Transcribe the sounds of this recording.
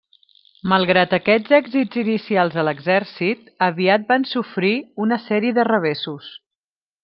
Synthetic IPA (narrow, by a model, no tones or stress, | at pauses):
məlˠɣɾat̪əkɛd͡zɛɡzizinisialˠzðələɡzɛɾsit̪̚əβiat̪̚bansufɾiunəsɛɾiəðərəβ̞esus